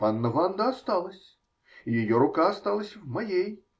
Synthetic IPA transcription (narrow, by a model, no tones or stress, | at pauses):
panːɐvand̪ɐast̪alˠɐsʲ | ijajɔɾʊkaːst̪alˠɐsʲɐwmajej